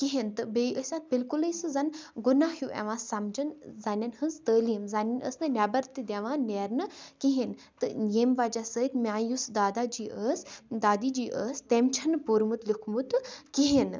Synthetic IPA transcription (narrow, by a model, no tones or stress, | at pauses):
kiɦint̪ɨbeːʔəsʲat̪̚bilkuləisɨzɐnɡunaːhjuʔɛ̰ʋãːsɐmd͡ʒɐnzanʲɐnhɨnzt̪əːliːmzaːnɐnə̰snɨnaːbɐɾt̪id̪ʲeːʋãːneːɾnɨkiɦin | t̪ɨjeːmʋaːd͡ʒasəid̪mʲaːjusd̪aːd̪aːd͡ʒiːʔəsd̪aːd̪iːd͡ʒiːʔəːst̪eːmt͡ʃʰɐnpuːɾmut̪lukʰmut̪kiɦin